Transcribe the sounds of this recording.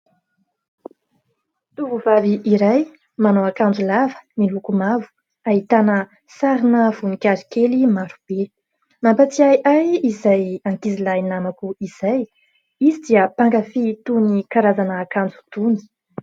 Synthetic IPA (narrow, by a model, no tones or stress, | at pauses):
t̪uvuvaviʔiɾaj | manowakand͡zulavə̥nilukumavu̥ | aɦit̪anə | saɾinəv̥unikʲaɾikelimaɾub̥e | mampat͡siajʔajizajaŋkizilajnamakuiz̥aj | izid̪iəpaŋkafit̪unikaɾazanəːkand͡zu̥t̪uni̥